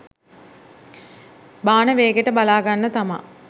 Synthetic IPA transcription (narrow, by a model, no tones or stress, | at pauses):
baːnəʋeːɡeʈəbalaːɡanːət̪ama̰